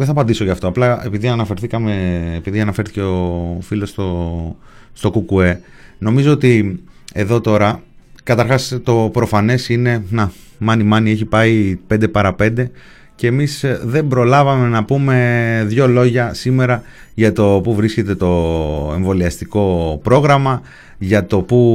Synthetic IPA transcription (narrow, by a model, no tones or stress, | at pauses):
ðeθɐpɐnd̪isoʝɐft̪o̞ɐplɐe̞piðiɐnɐfe̞ɾθikɐme̞ːpiðiɐnɐfe̞ɾθice̞ofilo̞st̪o̞ | st̪o̞kukue̞ | no̞mizo̞ot̪ie̞ðo̞t̪o̞ɾɐkɐt̪ɐɾxɐst̪o̞pɾo̞fɐne̞sine̞nɐ | mɐnimɐnieçipɐipe̞nd̪e̞pɐɾɐpe̞nd̪e̞ | ce̞ːmisðe̞mbɾo̞lɐvɐme̞nɐpume̞ðʝo̞lo̞ʝɐsime̞ɾɐ | ʝɐt̪o̞puvɾisce̞t̪e̞t̪o̞e̞ɱvo̞liɐst̪iko̞pɾo̞ɣɾɐmɐ | ʝɐt̪o̞pu